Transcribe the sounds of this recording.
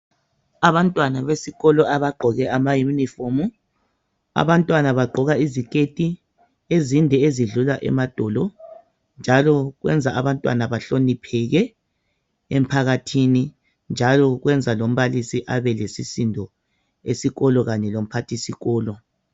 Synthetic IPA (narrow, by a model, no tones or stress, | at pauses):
aβantʼwanaβesiɣɔlɔaβaɡ͡ǃʱɔɣɛamajunifomu | a̰βantʼwanaβaɡ͡ǃʱɔɣaizikʼetʼi | ezindʱɛeziɮulaʔɛ̰mad̥ʱɔlɔ | nd͡ʒʱalɔɣwɛ̰nd͡zʱaaβantʼwa̰naβaɬonipʰɛɣɛ | em̩pʰaɣatʰini | nd͡ʒʱalɔɣwɛnd͡zʱalom̩βalisiʔaβɛlesisindʱɔ | esiɣɔlɔɣaɲɛlom̩pʰatʰisiɣɔːlɔ